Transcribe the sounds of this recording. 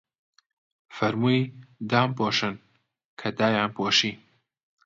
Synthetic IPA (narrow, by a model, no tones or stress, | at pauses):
fɐɾmujd̪aːmpʰoːʃɨn | kʰɐd̪aːjaːnpʰoːʃiː